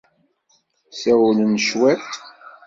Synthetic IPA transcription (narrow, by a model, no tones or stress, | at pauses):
sæwlənʃwæt̪